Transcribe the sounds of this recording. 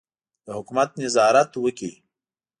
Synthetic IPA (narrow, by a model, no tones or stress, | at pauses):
d̪əɦʊkmat̪̚nɪzɑːɾat̪wəki